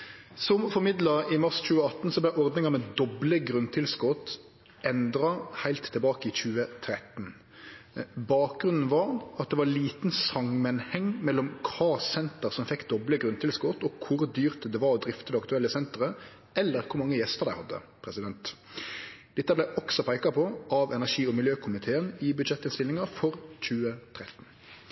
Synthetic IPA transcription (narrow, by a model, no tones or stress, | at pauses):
sɔmfɔɾmɪd̪lɑɪmɑʁsc͡çʉːəɑt̪n̩sɔblæɪʔɔɾd̪nɪŋɑmɛd̪ɔbləɡɾʉnt̪ʰɪlskɔt̪ | ʔɛnd̪ɾɑhæɪlt̪ʰːɪlbɑːkəɪçʉːət̪ʰɾɛt̪n | bɑːk̚ɡʁʉnn̩ʋɑɾɑt̪̚d̪ɛʋɑliːt̪n̩sɑmːənhɛŋːmɛlːɔmkʰɑːsɛnt̪əɾsɔmfɛkːd̪ɔbləɡɾʉnt̪ʰɪlsɡuːʁt̪ɔkʰʊɾd̪yːʁt̪d̪ɛʋɑɾɔd̪ɾɪft̪əd̪ɛɑkt̪ʉɛlːəsɛnt̪əʁə | ɛlːəɾkʰʊɾmɑŋːəjɛst̪əʁd̪æɪhɑd̪ːə̰pʰɾɛsɪd̪ɛnt̪ | d̪̥ɛt̪ːəblæɪʔɔksɔpʰæɪkɑpʰɔʔɑʋɛnæʁʂiːɔmɪljøːkʰʊmɪt̪ʰeːənɪbʉd̪ʃɛt̪ːɪnst̪ɪlːɪŋɑfɔɾc͡çʉːət̪ʰɾɛt̪n̩